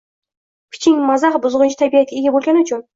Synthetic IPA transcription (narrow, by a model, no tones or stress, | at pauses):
kʲʰɪ̥t͡ʃʰɪŋʲmazaχbʊzʁɨnt͡ʃʰɪt̪ʰabijakʲaeɡʲabolʲɡʲanʊt͡ʃʰʊn